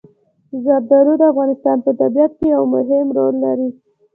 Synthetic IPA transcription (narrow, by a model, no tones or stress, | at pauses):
zɑb̪̚d̪ɑɾod̪əafɣɑnɪst̪ɑnpət̪abijat̪̚kejawmʊɦɪmɾolːaɾi